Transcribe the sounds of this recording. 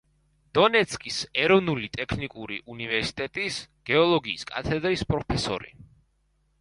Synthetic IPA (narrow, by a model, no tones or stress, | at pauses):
d̪̥ɔnɛt̪sʰkʼisɛɾɔvnulit̪ʼɛkʰnikʼuɾḭʔunivɛɾsi̥t̪ʼɛt̪ʼisɡ̥ɛɔlˠɔɡiːskʼa̰t̪ʰɛd̪ɾispʼɾɔpʰɛsɔ̰ɾḭ